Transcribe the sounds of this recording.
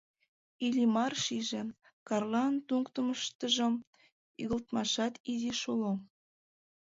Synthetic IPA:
ilʲimɑrʃiʒĕ | kɑrlɑnt̪uŋkt̪əməʃt̪əʒə̆m | yɣə̆lt̪mɑʃɑt̪iziʃolo

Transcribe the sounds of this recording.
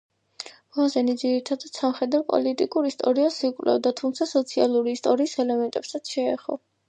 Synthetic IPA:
mazɛnid̪ziɾit̪ʰad̪at̪samχɛd̪avpʼɔ̰lit̪ʼikʼuɾist̪ʼɔɾiasikʼvlɛ̰d̪at̪ʰumt̪sʰasɔt̪sʰia̰lˠuɾiːst̪ʼɔɾiːsɛlɛmɛnt̪ʼɛbsat̪sʰʃɛɛ̰χɔ̰

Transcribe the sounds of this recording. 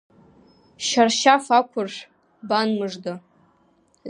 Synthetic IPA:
ʃarʃafakʷʰʊrʂʷ | banmɨʐda

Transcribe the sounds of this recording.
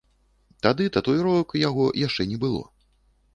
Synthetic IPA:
t̪ad̪ɨt̪ɐt̪ɔjɾɔkjaɣɔjaʂt͡ʂɛnʲɛbɨlˠɔ̰

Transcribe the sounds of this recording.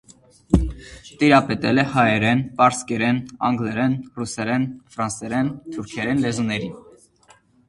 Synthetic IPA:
t̪iɾɑpɛt̪ɛlɛhɑjɛɾɛnpɑɾskɛɾɛnɑŋɡlɛɾɛnrusɛɾɛnfɾɑnsɛɾɛnt̪ʰuɾkʰɛɾɛnlɛzunɛɾin

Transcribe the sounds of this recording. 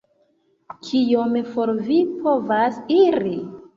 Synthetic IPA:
kʰijomfoɾvipʰo̞vasiɾi

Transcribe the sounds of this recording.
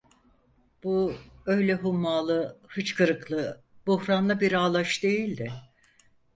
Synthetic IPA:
b̥uø̞jlʲɛɦumːaːlˠɯhɯt͡ʃkʰɯɾɯklˠɯ | buhɾanlˠɯbiɾaːlˠaʃd̪e̞jilʲd̪ɪ

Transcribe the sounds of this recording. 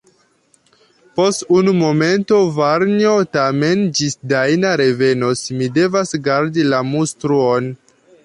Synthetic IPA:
po̞stunumo̞me̞nto̞vaɾniotame̞nd͡ʒisdajnaɾe̞ve̞nosmide̞vasɡaɾdilamustɾuo̞n

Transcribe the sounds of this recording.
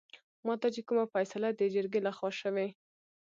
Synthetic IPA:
mɑt̪at͡ʃekumafajsalad̪əd͡ʒəɾɡelaxwɑʃəwe

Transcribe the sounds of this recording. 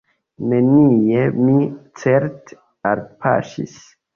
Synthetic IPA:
neniemit͡seɾt | aɾpʰa̰ʃḭs

